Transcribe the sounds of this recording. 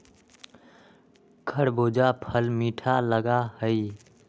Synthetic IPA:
kʰəɽboːd͡ʒapʰəlmiːʈʰaləɡahəɪ

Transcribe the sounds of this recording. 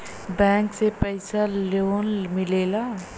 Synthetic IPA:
bɛ̃ːŋksepəjsaloːnmɪleːla

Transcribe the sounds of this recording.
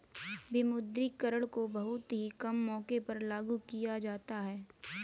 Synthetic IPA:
bɪmʊd̪ɾikɐɾəɽkobɐɦʊt̪ɦikɐmːɔːkepɐɾlaːɡukijad͡ʒaːt̪aɦɛː

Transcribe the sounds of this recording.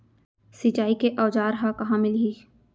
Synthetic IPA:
sɪt͡ʃaːikeʔɔːd͡ʒaːɾɦãkɐɦãːmɪlɦiː

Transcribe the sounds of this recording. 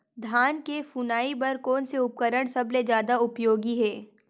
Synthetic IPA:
d̪ʱaːnkefunaːibɐɾkɔːnseʊp̚kəɾəɽ̃sɐbled͡ʒjaːd̪aʊpjoːɡiɦɛː

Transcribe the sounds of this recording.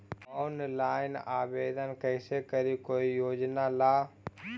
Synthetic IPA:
oːnlaːɪnaːbeːd̪ənkəɪsekəɾikoːijoːd͡ʒnalaː

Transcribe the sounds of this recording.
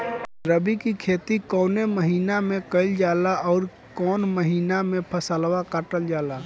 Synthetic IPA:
ɾəbikikʰeːt̪ikɔːneməɦiːnamẽkəɪld͡ʒaːlaɔːɾ | kɔːnməɦiːnamẽpʰəsəlwakaʈəld͡ʒaːlaː

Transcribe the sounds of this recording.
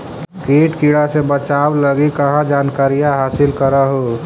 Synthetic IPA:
kiːʈkiːɽasebət͡ʃaːwləɡikəɦãd͡ʒaːnkaːɾijaɦaːsɪlkəɾaɦo

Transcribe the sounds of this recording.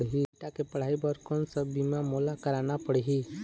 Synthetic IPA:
ɽɦiʈakepəɽ̤aːibəɾkonsəbimãmoːlakəɾaːnapəɽɦi

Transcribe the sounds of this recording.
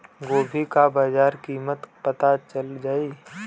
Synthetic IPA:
ɡoːbʱikabaːd͡ʒaːɾkiːmət̪pɐt̪at͡ʃəld͡ʒaːi

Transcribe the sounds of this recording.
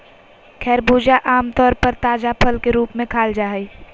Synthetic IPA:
kʰɛːɾbuːd͡ʒaʔaːmt̪ɔːɾpəɾt̪aːd͡ʒapʰəlkeɾuːpmẽkʰaːld͡ʒaːɦəi

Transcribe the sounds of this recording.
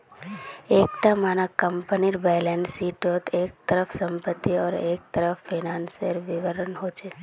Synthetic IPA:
eːk̚ʈamaːnakəmpəniɾbɛːlɛːnsiːʈoːt̪eːk̚t̪əɾəfsə̃mpət̪ːiɔːɾeːk̚t̪əɾəfːiːnaːnsəɾʋɪʋəɾənɦoːt͡ʃeː

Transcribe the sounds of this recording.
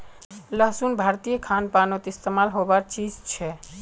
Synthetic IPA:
ləɦsunbʱaɾt̪ijəkʰanpanot̪ist̪emalɦobaɾt͡ʃid͡ʒt͡ʃʰɛ

